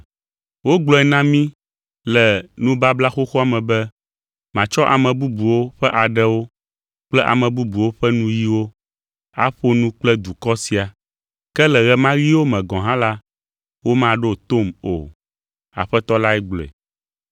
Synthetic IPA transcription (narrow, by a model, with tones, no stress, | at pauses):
wo˦ɡ͡blɔ˨ɛ˨nã˦mĩ˦ | lɛ˨nũ˦ba˦bla˦xo˦xo˦a˨mɛ̃˨bɛ˦ | mã˨t͡ʃɔ˦ʔa˨mɛ̃˨bu˦bu˨wo˦ɸɛ˦ʔa˨ɖɛ˦wo˦ | k͡plɛ˦ʔa̰˨mɛ̃˨bu˦bu˨wo˦ɸɛ˦nũ˦ji˦wo˦ | a̰˦ɸo˦nũ˦k͡plɛ˦d̪u˨kɔ˦si˨a˨ | kɛ˦lɛ˨ɣɛ˨mã˦ji˦wo˦mɛ̃˨ɡɔ̃˨ɦã˦la˦ | wo˦mã˦ɖo˦t̪o˦˨mo̰˨ | a̰˨ɸɛ˦t̪ɔ˦la˦ɛ˦ɡ͡blɔ˨ɛ̰˨